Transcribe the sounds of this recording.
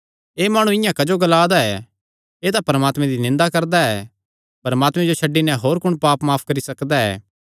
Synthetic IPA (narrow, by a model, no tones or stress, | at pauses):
eːmaːɽ̃ũɪjãkɐd͡ʒoɡɐlaːd̪aɛ | eːt̪apɐɾəmaːt̪mɛ̃d̪inɪ̃nd̪akɐɾd̪aɛː | pɐɾmaːt̪mɛ̃d͡ʒot͡ʃʰɐɖːinɛ̃ɦoːɾkʊɽ̃paːpmaːpʰkɐɾisɐkd̪aɛ̰ː